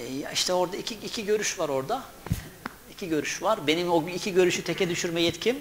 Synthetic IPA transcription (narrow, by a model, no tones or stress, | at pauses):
ja̰iʃt̪ʰɛo̞ɾd̪aicʰiicʰiɟø̞ɾyʃvaɾo̞ɾd̪a | icʰiɟø̞ɾyʃvaɾbe̞nimoicʰiɟø̞ɾyʃyt̪ʰɛcɛd̪yʃyɾmɛjɛt̪cʰim